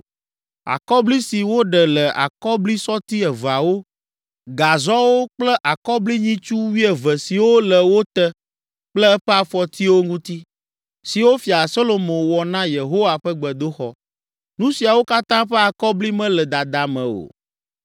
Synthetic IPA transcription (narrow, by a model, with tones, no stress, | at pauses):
a̰˨kɔ˦bli˦si˨wo˦ɖɛ˨lɛ˨ʔa̰˨kɔ˦bli˦sɔ˦t̪i˦ɛ˨va˨wo˦ | ɡa˨zɔ˦wo˦k͡plɛ˦ʔa˨kɔ˦bli˦ɲĩ˦t͡ʃu˦wi˦ɛ˨və˨si˨wo˦lɛ˨wo˦t̪ə˦ | k͡plɛ˦ɛ˦ɸɛ˦a˨fɔ˨t̪ʰi˦wo˦ŋũ˦t̪i˦ | si˨wo˦fi˨a˨so˦lo˨mõ˨wɔ˨nã˦je˨ɦo˦wa˨ɸɛ˦ɡ͡bɛ˨d̪o˦xɔ˨ | nũ˦si˨a˨wo˦ka˦t̪ã˦ɸɛ˦a˨kɔ˦bli˦mɛ̃˦lɛ˨d̪a˨d̪a˨mɛ̃˨o̰˨